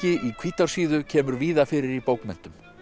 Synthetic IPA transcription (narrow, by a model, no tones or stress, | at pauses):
cɪʔikʰv̥iːt̪aɾ̥siːðʏcʰɛːmʏɾviːðafɪɾɪɾipoːwkmɛn̥t̪ʏm